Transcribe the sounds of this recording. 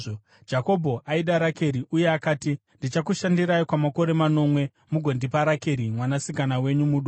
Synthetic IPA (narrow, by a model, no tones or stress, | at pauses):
d͡ʒako̞bʱo̞ʔaiɗaɾake̞ɾiʔuje̞akaːti | ndit͡ʃakuʃandiɾaikwamako̞ɾe̞mano̞mwe̞ | muɡʱo̞ndipaɾake̞ɾimwanasikanawe̞ɲumuɗo